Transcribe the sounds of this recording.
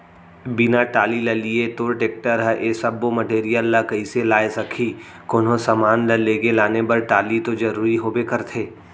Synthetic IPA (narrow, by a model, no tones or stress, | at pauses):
bɪnaʈaːlilɐliet̪oːɾʈeːk̚ʈəɾɦɛʔeːsɐbːomɐʈeːɾijəlːakɐiselaːesɐkʰi | koːnõsɐmaːnlɐleːɡelaːnebɐɾʈaːlit̪od͡ʒɐɾuːɾiɦoːbekɐɾt̪ʰeː